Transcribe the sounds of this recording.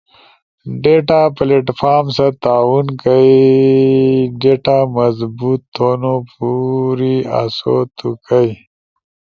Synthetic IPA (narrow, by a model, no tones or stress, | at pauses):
ɖeʈapleʈfaːɾmsat̪aːwunkəi | ɖeʈamɐzbut̪ːonopuɾia̰so̰t̪ʰukəj